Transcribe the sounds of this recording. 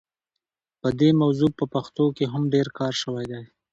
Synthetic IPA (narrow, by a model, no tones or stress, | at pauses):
pəd̪emawzupəpaxt̪okeɦamɖeɾkɑɾʃəwajd̪aj